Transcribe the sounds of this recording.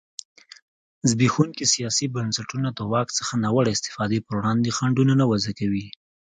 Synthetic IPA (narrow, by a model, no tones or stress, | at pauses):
zbixunkisijɑsibansaʈunad̪əwɑkt͡sə̥xanɑwaɽaɪst̪ɪ̥fɑd̪epəɾwɽɑnd̪exaɳɖunanawazakawi